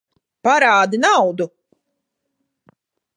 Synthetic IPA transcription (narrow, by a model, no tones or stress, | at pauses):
paɾaːd̪inawd̪u